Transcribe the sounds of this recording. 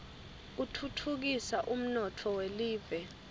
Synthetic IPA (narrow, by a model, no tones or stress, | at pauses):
utʰutʰuk̬isaʔum̩nɔtʰɔweliːvɛ